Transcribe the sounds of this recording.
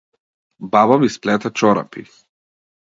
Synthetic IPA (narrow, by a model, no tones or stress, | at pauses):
baβamisplɛt̪at͡ʃɔɾa̰pḭ